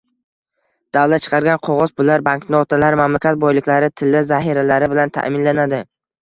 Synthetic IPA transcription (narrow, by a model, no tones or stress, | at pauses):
d̪̥awlat̪̚t͡ʃʰɨ̥qʰɑɾɡʲanqʰoʁɒzbʊlaɾbaŋknɪɒt̪ʰalaɾmamlakʲat̪̚bɒjlɪkʲlaɾɪt̪ʰɪlːɪzahiɾalaɾɪbɪlant̪ʰa̰ʔmɪnlanad̪ɪ